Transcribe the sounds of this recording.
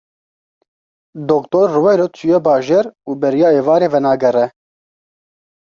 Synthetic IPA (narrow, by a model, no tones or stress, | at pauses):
d̪okt̪oːɾːuwɛjɾoːt̪t͡ʃʰujɛbɑːʒeːɾuːbɛɾijɑːeːvɑːɾeːvɛnɑːɡɛrɛ